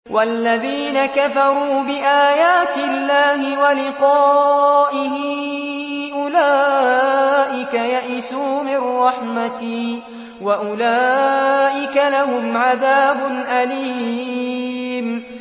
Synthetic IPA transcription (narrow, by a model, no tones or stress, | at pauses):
wʔalːaðiːnakafɑɾˤuːbɪʔaːjaːt̪ɪlːaːɦɪwalɪqɑːʔɪhɪ | ʔʊlaː | ʔɪkajaʔɪsuːmɪrˤːɑħmat̪ɪ | waʔʊlaːʔɪkalaɦʊmʕaðaːbʊnʔali | m